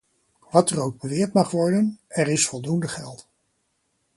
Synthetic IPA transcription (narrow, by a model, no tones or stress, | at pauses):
ʋɑtərowɡ̚bəʋɪːɹtmɑχʋɔɹdənɛɾɪsfɔlˠdundəχɛlˠt